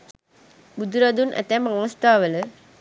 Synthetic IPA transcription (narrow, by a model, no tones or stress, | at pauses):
bud̪uɾad̪unʔɛ̰t̪ɛmaŋəst̪aːʋələ